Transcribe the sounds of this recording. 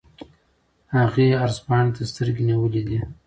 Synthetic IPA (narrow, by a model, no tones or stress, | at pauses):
haɣeaɾzpɑɳet̪ast̪əɾɡeniwəlid̪i